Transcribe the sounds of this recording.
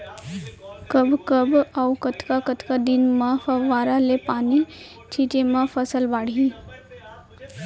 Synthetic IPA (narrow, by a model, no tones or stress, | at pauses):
kəbkəbawkət̪kakət̪kad̪ɪnmãfʋaːɾalepaːne | t͡ʃʰiʈemãfʰəsəlbaːɽi